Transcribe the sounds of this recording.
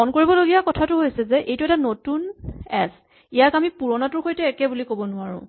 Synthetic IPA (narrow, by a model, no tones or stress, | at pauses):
ɔnkoɹibɔloɡijakɔtʰatʊɦojsɛzɛʔejtʊɛtanotunɛ̰s | ijakamipuɹɔnatʊɹxojtɛːkɛbulikobɔnʊaɹʊ̰̃